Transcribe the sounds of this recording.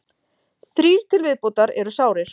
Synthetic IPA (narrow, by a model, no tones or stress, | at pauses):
θɾiːɾ̥t̪ʰɪlvɪðpowt̪aɾɛɾʏsaːwɾɪɾ̥